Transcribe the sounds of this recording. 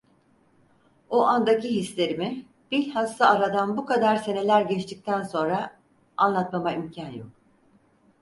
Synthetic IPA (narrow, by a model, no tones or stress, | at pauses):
oʔand̪aciɦislʲe̞ɾimi | b̥ilʲhast̪aːɾad̪anbukad̪aɾse̞ne̞lʲæɾɟɛt͡ʃt̪ʰic̚t̪ʰænso̞nɾa | anlˠat̪mamaimcʰanjok̚